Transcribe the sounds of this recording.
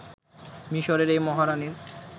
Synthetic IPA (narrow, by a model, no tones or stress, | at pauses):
miʃoɾeɾejmɔɦaɾaniɾ